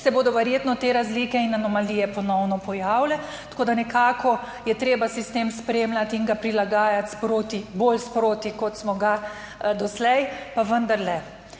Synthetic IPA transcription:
sɛboːd̪ɔʋɛɾjeːt̪nɔt̪eːɾazlikɛinanɔmaliːjɛpɔnɔwnɔpɔjaːwlɛ | t̪ḁkoːd̪anɛkaːkʰɔ | jɛt̪ɾeːbasist̪eːmspɾemlat̪iŋɡapɾilaɡaːjat̪spɾoːt̪iboːlspɾoːt̪ikɔt̪smɔɡa | d̪ɔslɛjpaʋənd̪aɾlɛ

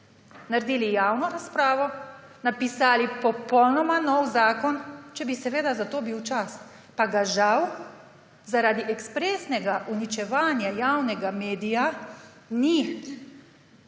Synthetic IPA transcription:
naɾd̪iːlijaːwnɔɾaspɾaːʋɔ | napisaːlipɔpɔwnɔmanɔwzaːkɔnt͡ʃɛbisɛʋeːd̪azat̪oːbiwt͡ʃas | paɡaʒaw | zaɾaːd̪iʔɛkspɾeːsnɛɡaʔunit͡ʃɛʋaːnjajaːwnɛɡameːd̪ija | ni

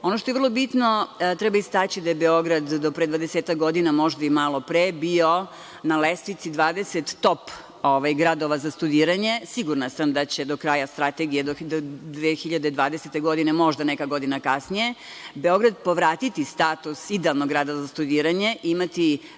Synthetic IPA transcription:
o̞noʃt̪ojevrlˠobit̪not̪ɾɛbaist̪at͡ɕid̪ajebeo̞ɡɾad̪ːopɾed̪ʋad̪eseːt̪akɡo̞d̪inamo̞ʒd̪aimalˠo̞pɾebio̞ | nalest̪ʋit̪sid̪ʋaːd̪eset̪ːo̞p | oʋajɡɾad̪oʋazast̪ud̪iːɾaɲe̞siɡuɾnasamd̪at͡ɕe̞d̪o̞kɾajast̪ɾat̪eɡijed̪od̪d̪ʋexiʎad̪ed̪ʋaːd̪eset̪e̞ɡo̞d̪inemo̞ʒd̪anekaɡo̞d̪inakasnije̞ | beo̞ɡɾad̪̚po̞ʋɾaːt̪it̪ist̪at̪usid̪ealˠnoɡɾad̪ozast̪ud̪iːɾaɲe̞ʔimat̪i

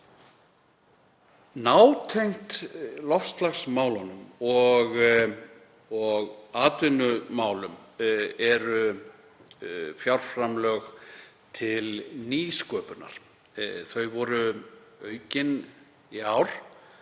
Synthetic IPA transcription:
naːwt̪ʰejŋ̥t̪lɔfst̪laxsmaːwlɔnʏmɔɣ | ɔɣaːt̪ʏnʏmaːwlʏmɛɾʏ | fjawr̥fɾamlœɣ | t̪ʰɪlniːskœːpʏna̰ɾ̥ | θœɥvɔɾʏœːɥcɪn | iaːwɾ̥

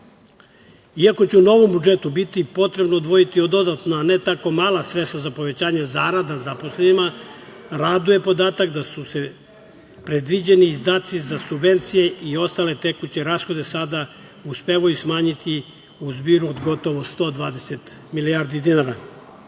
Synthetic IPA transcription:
iako̞t͡ɕɛuno̞ʋo̞mbud͡ʒet̪ubit̪ipo̞t̪ɾe̞bnoːd̪ʋo̞jit̪iod̪o̞d̪at̪naːne̞t̪ako̞maːlasɾe̞st̪ʋazapo̞ʋe̞t͡ɕaːɲezaɾad̪azapo̞slenima | ɾad̪uje̞po̞d̪aːt̪aɡd̪asuse̞ | pɾe̞d̪ʋid͡ʑe̞niːzd̪aːt̪sizasubʋe̞nt̪sije̞ʔio̞st̪ale̞t̪e̞kut͡ɕe̞ɾaːsxo̞d̪e̞sad̪a | uspeʋajusmaːɲit̪i | uzbiːɾuod̪ɡo̞t̪o̞ʋost̪o̞ːd̪ʋaːd̪e̞se̞t̪ | milijaːɾd̪id̪inaɾa

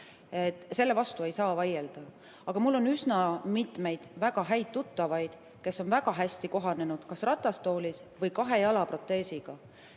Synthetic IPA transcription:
et̪ːse̞lːe̞vɑst̪ue̞jsɑːvɑjeld̪̥ɑ | ɑɡ̥ɑmulːo̞nysnɑmit̪ˑme̞jd̪̥væɡ̥ɑɦæjt̪̚t̪ːut̪ːɑvɑjd̪̥ | ke̞sːo̞nvæɡ̥ɑɦæsʲt̪iko̞ɦɑne̞nud̪̥kɑsrɑt̪ːˑɑst̪o̞ːlisvɯjkɑɦe̞jɑlɑpro̞t̪ːˑe̞ːsiɡ̥ɑ

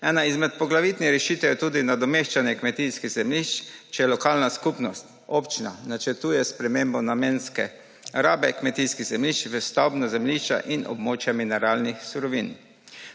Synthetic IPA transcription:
ɛːnaizmɛt̪̚pɔɡlaʋit̪niɾɛʃit̪ɛjɛt̪uːd̪inad̪ɔmeːʃt͡ʃanjɛkmɛt̪iskiɣzɛmliʃt͡ʃt͡ʃɛjɛlɔkaːlnaskupnɔst̪ | opt͡ʃina̰nat͡ʃɛɾt̪uːjɛspɾɛmeːmbɔnameːnskɛ | ɾaːbɛkmɛt̪iskiɣzɛmliʃt͡ʃʋəst̪awbnazɛmliʃt͡ʃa̰ʔinʔɔ̰bmoːt͡ʃjaminɛɾaːlnixsuɾɔʋin

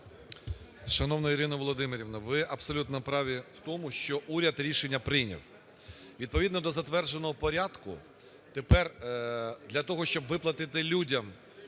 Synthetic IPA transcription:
ʃɐnɔwnɐiɾɪnɐʋɔlˠɔd̪ɪmɪɾʲiwnɐʋɪʔɐbsɔlʲut̪nɐpɾɑʋʲiw̥t̪ɔmʊʃt͡ʃɔʔuɾʲɐd̪ɾʲiʃenʲːɐpɾɪjnʲḭw | ʋʲid̪̚pɔʋʲid̪nɔd̪ɔzɐt̪ʋɛrd͡ʒenɔɦɔpɔɾʲɑd̪kʊ̰ | t̪epɛr | d̪lʲɐt̪ɔɦɔʃt͡ʃɔbʋɪplˠɐt̪ɪt̪ɪlʲudʲɐm

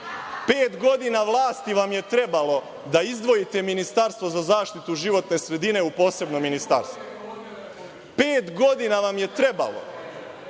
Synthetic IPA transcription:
peːt̪ɡo̞d̪inaʋlˠaːst̪iʋamje̞t̪ɾe̞balo̞ | d̪aizd̪ʋo̞jit̪e̞minist̪aɾst̪ʋozazaːʃt̪it̪uʒiʋo̞t̪ne̞sɾe̞d̪ine̞upo̞ːse̞bnominist̪aɾst̪ʋo | peːt̪ɡo̞d̪inaʋamje̞t̪ɾe̞ba̰lo̰

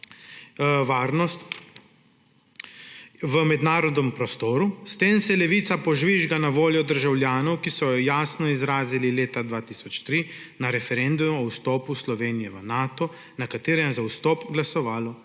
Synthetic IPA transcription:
ʋaːɾnɔst̪ | ʋəmɛd̪naːɾɔd̪nɛmpɾɔst̪oːɾust̪eːnsɛlɛʋiːt̪sapɔʒʋiʒɡanaʋoːljɔd̪əɾʒawljaːnɔwkisɔjɔjaːsnɔizɾaːzilileːt̪ad̪ʋaːt̪iːsɔt͡ʃt̪ɾi | naɾɛfɛɾɛnd̪umɔwst̪ɔːpuslɔʋeːnijɛʋənaːt̪ɔ | nakat̪eːɾɛzawst̪ɔːpɡlasɔʋaːlɔ

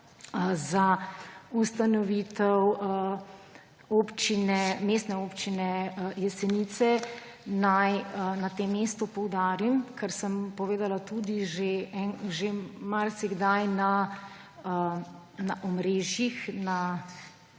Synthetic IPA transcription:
zaust̪anɔʋit̪ɛw | oːpt͡ʃinɛmeːst̪nɛopt͡ʃinɛjɛsɛnit̪sɛ | najnat̪eːmːeːst̪upɔwd̪aːɾimkʰɛɾsəmpɔʋeːd̪alat̪ud̪iʒeɛnʒemaɾsiɡd̪ajna | naʔɔmɾeːʒjixna

